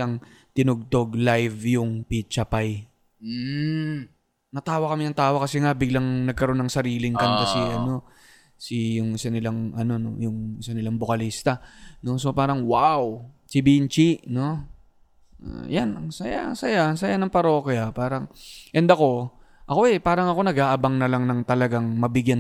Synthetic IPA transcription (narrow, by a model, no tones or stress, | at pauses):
aŋ | t̪ɪnʊɡ̚t̪o̞ɡlajvjʊŋpit͡ʃɐpaj̩ | nɐt̪aːwɐkɐmɪnɐŋt̪aːwɐkɐsɛŋabɪɡlaŋnɐɡ̚kɐɾo̞nːɐŋsɐɾiːlɪŋkankɐsɛʔɐno̞ | sijʊŋɪsɐnɪlaŋʔɐno̞no̰jʊŋɪsɐnɪlaŋbokɐliːst̪ɐno̞so̞paːɾɐŋwawt͡ʃɪbint͡ʃiʔno̞ | janɐŋsɐja̰ʔɐsɐjaɐŋsɐjanɐŋpɐɾo̞ːkɪapaːɾɐŋʔɛnd̪ɐko̞ | ʔɐko̞ʔɛpaːɾɐŋɐko̞nɐɡaːʔɐbɐŋnɐlaŋnɐŋt̪ɐlɐɡaŋmɐbɪɡjan